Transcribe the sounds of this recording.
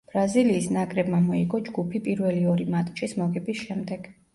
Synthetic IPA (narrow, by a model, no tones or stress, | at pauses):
b̥ɾaziliːsnakʼɾɛbmamɔiɡɔd͡ʒɡupʰipʼiɾvɛliɔɾimat̪ʼt͡ʃʼismɔɡɛbisʃɛmd̪ɛɡ̥